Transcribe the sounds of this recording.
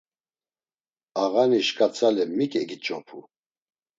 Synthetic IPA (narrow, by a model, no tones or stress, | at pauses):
aɣaniʃkʼat͡sʰalɛmikʼɛɡit͡ʃʼɔpʰṵ